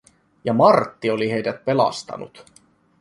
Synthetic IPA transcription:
jɑmɑrt̪ːio̞liɦe̞jdæt̪̚pe̞lɑ̰st̪ɑ̰nṵt̪

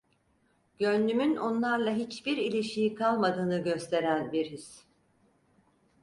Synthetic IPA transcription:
ɟønʲd̪ymyno̞nlˠaɾlˠaɦit͡ʃbiɾilʲiʃijikʰalˠmad̪ɯːnɯɟøst̪ʰe̞ɾænbiɾhiz̥

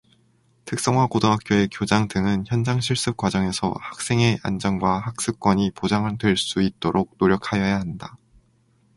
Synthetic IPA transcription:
tʰɯk̚s͈ʌŋɦwakodoɦak͈joe̞kjod͡ʑaŋdɯŋɯnçjʌnd͡ʑaŋɕʰiɭs͈ɯp̚k͈wad͡ʑʌŋe̞sʰʌ̰hḁk̚s͈eŋe̞ʔa̰nd͡ʑʌŋɡwahak̚s͈ɯk͈wʌɲipod͡ʑaŋɯndwe̞ɭs͈uit̚t͈oɾʔok̚noɾjʌkʰajʌjaɦanda

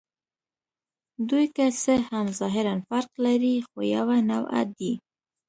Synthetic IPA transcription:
d̪ujkasəhamzɑɦɪɾanfaɾqlaɾixojawanawa̰t̪̚d̪i

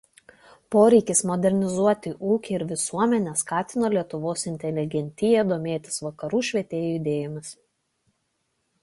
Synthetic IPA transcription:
poːɾʲɛɪkʲɪsmɔd̪ʲɛɾʲnʲɪzuɔt̪ʲɪʔuːkʲɪɪɾʋʲɪsuɔmʲɛnʲɛskɑːt̪ʲɪnoːlʲiɛt̪ʊʋoːsɪnʲt̪ʲɛlʲɪɡʲɛnʲt̪ʲɪjɛd̪oːmʲeːt̪ʲɪ̥sʋɐkɐɾuːʃʲʋʲiɛt̪ʲeːjuɪd̪ʲeːjɔmʲɪs

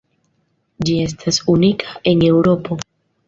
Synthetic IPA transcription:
d͡ʒie̞s̬tʰasunikʰae̞ne̞wɾo̞po̞

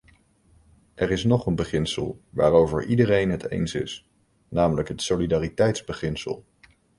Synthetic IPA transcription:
ʔɛɹɪsnɔχənbəχɪnsə̰lˠʋa̰ːɹowvə̰ɹʔidərejnɦətḛjnsɪ̰s | naːmələkɦətsolidaːritɛjtzbəχɪnsə̰lˠ

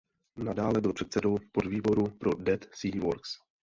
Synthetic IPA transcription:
nadaːlɛbɪlpr̥ɛt̪sɛdowpodviːbo̞ɾupɾo̞dɛt̪siːvoɾks

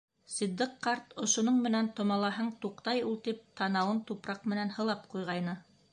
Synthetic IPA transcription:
sĭd̪ːɘqqːɑɾt̪ŏʃŏnoɴmɘ̆nænt̪ŏmɑlˠɑɦɤɴt̪uqt̪ɑjulˠt̪ip̚t̪ɑnɑwɤnt̪upɾɑqmɘ̆nænhɤ̆lˠɑpqujʁɑjnɤ

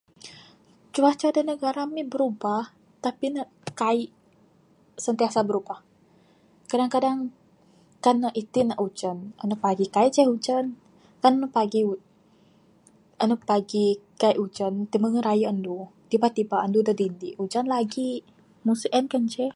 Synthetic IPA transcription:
t͡ʃubaht͡ʃadənəɡaɾamibəɾubah | t̪apinaʔkaiʔ | sənt̪iasabəɾubah | kadaŋkadaŋ | kanːəʔit̪inaʔud͡ʒənə̰nəpaɡikaiʔt͡ʃɛhud͡ʒan | kannəpaɡiu | ənəpaɡikaiʔud͡ʒənt̪iməŋəɾajəʔəndut̪ibat̪ibaʔəndudədindiʔud͡ʒanlaɡi | musuʔənkənt͡ʃɛ

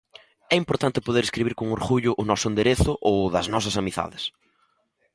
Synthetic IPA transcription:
ɛimpoɾt̪ant̪ɪpoðeɾeskɾiβiɾkoŋoɾɣuʎʊʔʊnɔsʊẽnd̪eɾeθʊʔowðɐznɔs̬ɐsamiθa̰ðɪs

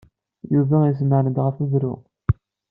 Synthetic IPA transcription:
juvæizmənəd̪ʁəfəðɾʊ̰

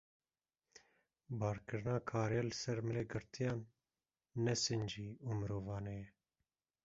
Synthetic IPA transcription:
bɑːɾkɨɾɨnɑːkʰɑːɾejɛːlɨsɛɾmɨleːɡɨɾt̪ʰijɑːnː | ɛsɨnd͡ʒiːuːmɨɾoːvɑːnejɛ

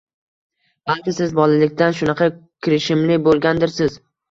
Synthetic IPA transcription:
b̥alˠkʲɪsɪzbɒlɪlɪkʲt̪anʃʊnɑqʰɑkʲʰɪɾɪʃɪmlɪbolˠɡʲand̪ɪɾsɪz̥

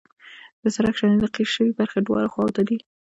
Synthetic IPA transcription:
d̪̥əsaɾakʃaned̪aqiʃəwibaɾxeɖwɑ̰laxwɑwt̪ad̪i

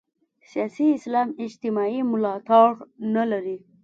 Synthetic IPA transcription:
sijɑsiːslɑmɪd͡ʒt̪ɪmɑimʊlɑt̪ɑʈnalaɾi

